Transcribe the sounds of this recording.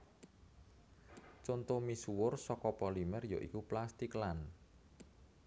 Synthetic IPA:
t͡ʃont̪omisuwʊrsɔkɔpɔlimɛrjo̰ʔḭkuplast̪iklan

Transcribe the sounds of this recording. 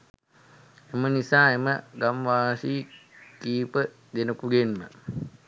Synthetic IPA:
emənisaːeməɡamʋaːsiːkiːpə | d̪enəkuɡenmə̰

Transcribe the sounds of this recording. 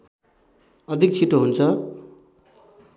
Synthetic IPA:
ʌd̪ʱik̚t͡sʰiʈoɦunt͡sʰʌ

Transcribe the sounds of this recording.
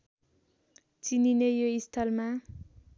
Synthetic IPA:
t͡sininejoist̪ʰʌlma

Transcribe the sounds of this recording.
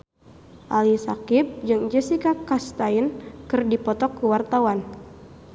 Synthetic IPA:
ʔalisakip̚d͡ʒɨŋd͡ʒɛsikakast̪ainkɨrdipɔt̪ɔkːuwart̪awan

